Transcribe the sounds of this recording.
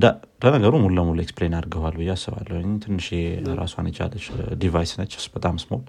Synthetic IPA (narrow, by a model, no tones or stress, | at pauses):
d̪a | lənəɡəɾumulːəmulueksplenaɾɡəhalbɨjːeasːɨβa̰lːəwoɲt̪ʰɨnːɨʃeɾa̰sua̰njɛt͡ʃa̰lːət͡ʃːd̪ivajsɨnət͡ʃːɨ̥sb̥ət̪ʼamsmo̞l